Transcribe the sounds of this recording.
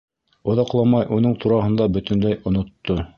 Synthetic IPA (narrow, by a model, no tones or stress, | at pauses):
ŏðɑqlˠɑmɑjʔunɤɴt̪uɾɑɦɤ̆nd̪ɑbɵ̆t̪ɘ̆nlæjŏnŏt̪ːo